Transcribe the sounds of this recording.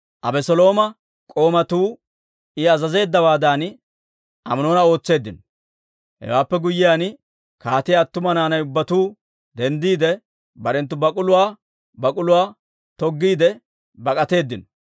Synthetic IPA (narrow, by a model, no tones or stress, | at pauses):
ʔɐbɛsɔlo̞ːmɐ | kʼo̞ːmɐt̪uː | ɪɐzɐze̞ːd̪ːɐbaːd̪an | ʔɐ̰mno̞ːnɐo̞ːt͡sːe̞ːd̪ːɪnɔ | hɛ̰waːpːɛɡʊjːɪjaːn | kaːt̪ɪjaːt̪ːʊmɐnaːnɐjʊbːɐt̪uː | d̪ɛnd̪iːd̪ɛ | bɐɾɛnt̪̬ːʊbɐkʼʊlʊwaː | bɐkʼʊlʊwaː | t̪ɔɡːiːd̪ɛ | bɐkʼɐt̪e̞ːd̪ːɪnɔ